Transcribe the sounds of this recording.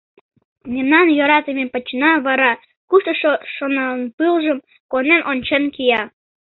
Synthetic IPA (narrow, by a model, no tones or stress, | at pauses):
memnɑnjoɾɑt̪əmepət͡ɕnɑβɑɾɑ | kuʃt̪əʃoʃonələnpɨlʒəm | konenʔonʲt͡ɕenkijɑ